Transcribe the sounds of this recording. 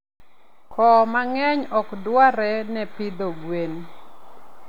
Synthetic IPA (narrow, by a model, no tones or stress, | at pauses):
kʰɔmaŋɛɲɔkdwaɾɛnɛpid̪oɡwen